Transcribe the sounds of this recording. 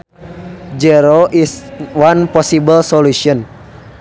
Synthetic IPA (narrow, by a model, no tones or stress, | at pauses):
d͡ʒɛɾoʔiswanpɔsibəlsɔluʃiɔn